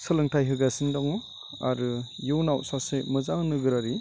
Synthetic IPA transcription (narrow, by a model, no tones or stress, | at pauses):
sɯlɯŋtʰajɦɯɡasindɔŋ | a̰ɾɯjuwnawsasemɯzaŋnɯɡɯɾaɾi